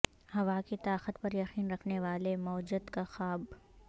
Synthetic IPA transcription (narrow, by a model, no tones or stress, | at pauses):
hɐʋaːkit̪aːqət̪pɐɾjɐxiːnɾɐkʰneʋaːlemɔːd͡ʒəd̪kaxaːb